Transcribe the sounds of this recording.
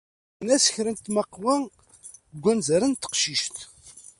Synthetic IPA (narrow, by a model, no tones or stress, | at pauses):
næsəçɾənt̪məqːwæ | ɡʷːænzəɾənt̪ːə̥qʃiʃt̪